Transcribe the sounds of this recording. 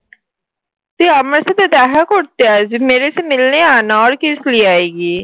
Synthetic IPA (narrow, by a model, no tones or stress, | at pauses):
t̪eːəməɾsed̪ed̪ɛːɦəkʊɽt̪eaːzimeːɾesemɪlneaːnaɔːɾkɪsliːaːeːɡiː